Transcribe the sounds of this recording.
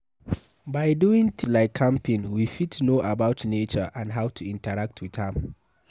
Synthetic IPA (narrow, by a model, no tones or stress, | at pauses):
baɪduɪ̃ŋt̪ʰilaɪkʰːãmpĩnwifitʰnoʔabaʊtnet͡ʃəʔãndɦawtʰuĩntəɹak̚tʰwið̥hɛ̃m